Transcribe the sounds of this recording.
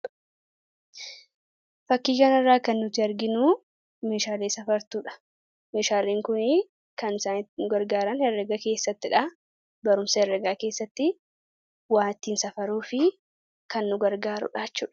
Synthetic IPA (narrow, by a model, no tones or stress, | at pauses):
fɐkːiːkɐnɐrːaːkɐnːʊt̪ɪɐɾɡɪnuː | meːʃaːleːsɐfɐɾt̪uːᶑɐ̥ | meːʃaːleːŋkʊnɪ | kɐnsaːnɪnʊɡɐɾɡaːɾɐnhɛrːɛɡɐke̞ːsːɐt̪ːɪᶑɐ | bɐɾʊmsɐɛrːɛɡaːke̞ːsːɐt̪ːɪ | waːnt̪iːnsɐfɐɾuːfɪ | kɐnːʊɡɐɾɡaːɾʊ̰ᶑaːt͡ʃːuːᶑɐ̥